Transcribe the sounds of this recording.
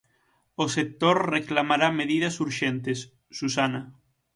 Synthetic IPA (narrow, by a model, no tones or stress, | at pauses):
osek̚t̪oɾreklamaɾameðiðasuɾʃent̪esː | usana